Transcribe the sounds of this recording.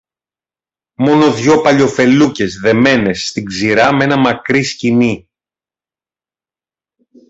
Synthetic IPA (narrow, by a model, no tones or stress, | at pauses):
mo̞no̞ðʝo̞pɐʎo̞fe̞luce̞zðe̞me̞ne̞sːt̪iɡziɾɐmee̞nɐmɐkɾiscini